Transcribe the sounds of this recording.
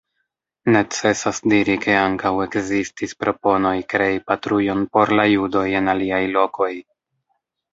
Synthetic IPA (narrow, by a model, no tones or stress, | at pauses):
ne̞t͡se̞sasdiɾikʰe̞aŋkawe̞kzistispɾo̞po̞no̞jkɾe̞ipatɾujo̞npo̞ɾlajudo̞je̞naliajlo̞ko̞j